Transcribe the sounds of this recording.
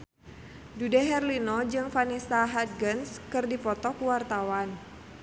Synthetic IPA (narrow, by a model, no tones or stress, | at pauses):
dudɛɦɛrlinɔd͡ʒɨŋfanisaɦat̪̚ɡənskɨrdipɔt̪ɔkuwart̪awan